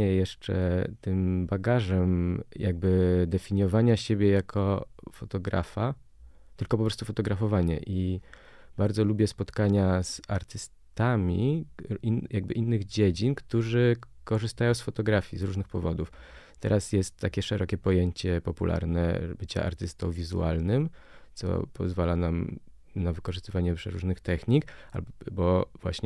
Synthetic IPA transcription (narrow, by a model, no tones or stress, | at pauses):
ɛjɛʂt͡ʂɛ̰t̪ɘmbaɡaʐɛmjaɡ̚bɘd̪ɛfʲiɲɔvaɲaɕebʲjɛjakʰɔfɔt̪ɔɡɾa̰fa | t̪ɘlkɔpɔpɾɔst̪ufɔt̪ɔɡɾafɔvaɲɛ̰ʔi | b̥aɾd̪zɔlubʲjɛspɔt̪kaɲaz̥aɾt̪ɘs | t̪amʲiinjaɡ̚bɘʔinːɘɣd͡ʑed͡ʑinkt̪uʐɘkɔʐɨst̪ajɔ̃w̃sfɔt̪ɔɡɾafʲjizɾuʐnɘxpɔvɔd̪uf | t̪ɛ̰ɾʔasjɛst̪ːakʲɛʂɛɾɔkʲɛpɔjeɲt͡ɕɛpɔpṵlʔa̰ɾnɛ̰bɘt͡ɕa̰ʔa̰ɾt̪ɘst̪ɔ̃w̃vʲizṵa̰lnɘm | t̪sɔ̰pʰɔ̰zvalanam | navɘkɔʐɨst̪ɘvaɲɛpʂɛɾuʐnɘxt̪ɛxɲika̰bɔvwa̰ɕɲɛ